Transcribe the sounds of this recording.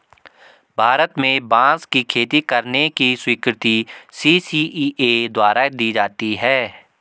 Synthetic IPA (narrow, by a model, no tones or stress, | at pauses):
bʱaːɾət̪mẽbãːskikʰeːt̪ikəɾnekiswiːkɾɪt̪isiːsiːed̪waːɾad̪iːd͡ʒaːt̪iɦɛː